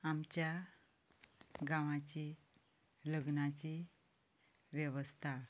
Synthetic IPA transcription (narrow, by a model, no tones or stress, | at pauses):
amt͡ɕja | ɡãʋãt͡ɕi | ləɡnat͡ɕi | ʋjeʋəst̪ʰa